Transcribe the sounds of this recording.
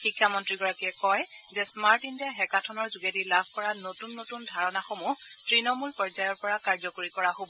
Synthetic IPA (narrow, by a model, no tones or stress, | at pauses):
xikʰːjamɔntɹiɡɔɹakiɛkɔjzɛsmaɹtintɛɦɛkatʰɔnɔɹzuɡedilabʱkɔɹanotunːotundʱaɹɔnaxomu | tɹinɔmulpɹɔd͡ʒajɔɹpɔɹakaɹzɔkoɹikɔɹaɦobɔ